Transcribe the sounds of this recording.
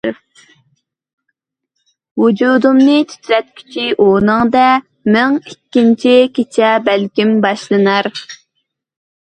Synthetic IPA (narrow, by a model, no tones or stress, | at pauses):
ɾ | wud͡ʒud̪umnɨt̪ʰi̥t̪ʲʰɾɛt̪̚kʲʰi̥t͡ʃʰiʔonɨŋd̪ɛ | mɨŋikʲːint͡ʃʰikʲʰet͡ʃʰɛbælkʲimbɑʃlˠɨnɑɾ